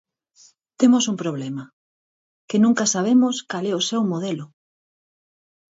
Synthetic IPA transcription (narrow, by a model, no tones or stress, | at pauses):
t̪emosuŋpɾoβlɛmɐ | kenũŋkɐsaβ̞emoskalɛʊsewmoðɛlʊ